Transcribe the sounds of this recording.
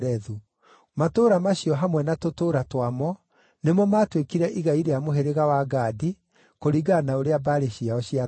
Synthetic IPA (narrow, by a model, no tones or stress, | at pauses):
ɾɛðu | matoːɾamaɕiɔɦamwɛnatotoːɾatwamɔ | nemɔmatwekiɾɛʔiɣaiɾeamoɦeɾeɣawaɡadi | koɾiɡanaoɾeabaɾeɕiaɔɕia